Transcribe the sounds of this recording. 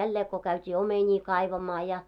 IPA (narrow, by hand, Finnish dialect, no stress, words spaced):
jælːeː ko kæytʲiː omenʲiː kɑiʋɑmɑː jɑ